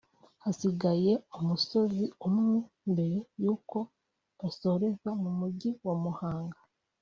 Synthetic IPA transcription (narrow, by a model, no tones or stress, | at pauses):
hasiɡaje̞umuso̞ziumŋe | mbe̞ɾejuːko̞ | aso̞ɾe̞zamumuɟiwomuhaːŋɡa